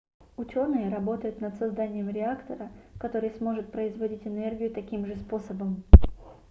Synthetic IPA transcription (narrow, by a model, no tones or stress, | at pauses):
ʊt͡ɕo̞nɨjəɾɐbo̞t̪əjʊt̪nət̪sɐzd̪anʲɪjəmɾʲɪakt̪əɾəkɐt̪o̞ɾɨjsmo̞ʐɨt̪̚pɾəɪzvɐdʲitʲɪnɛrɡʲɪjʊt̪ɐkʲimʐɨspo̞səbəm